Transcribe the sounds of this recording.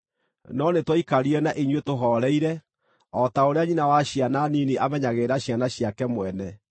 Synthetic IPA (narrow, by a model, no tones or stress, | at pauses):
nɔnetwɔikaɾiɛnaʔiɲwetoɦɔɾɛiɾɛ | ɔtaoɾeaɲinawaɕiananiniʔamɛɲaɣeɾaɕjanaɕjakɛmwɛnɛ